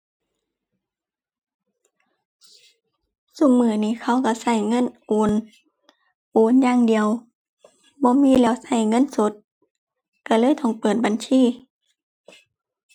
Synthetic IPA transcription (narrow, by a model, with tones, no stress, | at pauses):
su˧˩˨ŋ̚mɯː˧˩niː˧˥˨kʰa˧˩˨wka˧˩sa˧˩jŋɤ˧˥˨nʔoː˨˧˦n | ʔoː˨˦njaː˧˥˨ŋdi˨əw | bɔː˧˦miː˧˥˨lɛː˧˩˨wsa˧˩jŋɤ˧˥˨nso˧˦t̪̚ | ka˧˩lɤː˧˥˨jt̪ʰɔ˧˩ŋpɤː˨˩t̪̚ba˨nsʰiː˧˥˨